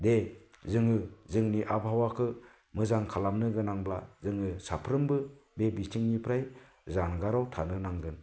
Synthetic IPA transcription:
de | zɯŋɯzɯŋniʔabhawakʰɯ | mɯzaŋkʰalamnɯɡɯnaŋblazɯŋɯsapʰɾɯmbɯbebitʰiŋnipʰɾaj | zanɡaɾawtʰanɯnaŋɡɯn

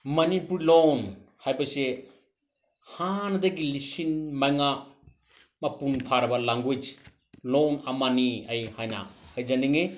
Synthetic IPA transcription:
mɐnipuɾlonhajpase | hand̪aɡilisinmajŋa | mɐpunpʰaɾɐbalaŋɡujt͡ʃ | lonamaniɐjhajna̰hajd͡ʒaniŋe

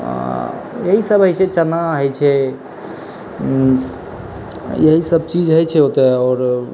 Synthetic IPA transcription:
a̰jəɦisəbʱəjsɛt͡ʃənaɦəjt͡ʃʰɛ | jəɦisəbt͡ʃid͡ʒɦəjt͡ʃʰɛɦot̪ɛɔːɾ

